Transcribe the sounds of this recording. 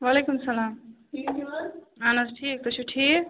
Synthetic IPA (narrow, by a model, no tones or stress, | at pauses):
ʋaːlekumsɐlaːm | i | anɐsʈʰiːk̚t̪ot͡ʃʰuʈʰiːk